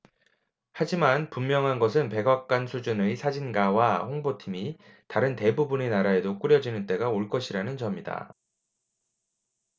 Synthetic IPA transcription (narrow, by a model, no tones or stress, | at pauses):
had͡ʑimanpumːjʌŋɦanɡʌs̬ʰɯnpe̞ɡak̚k͈wansʰud͡ʑunesʰad͡ʑinɡawaɸoŋbotʰimitaɾɯnte̞bubunenaɾae̞dok͈uɾjʌd͡ʑinɯnt͈e̞ɡaoɭk͈ʌɕʰiɾanɯnt͡ɕʌmɲida̰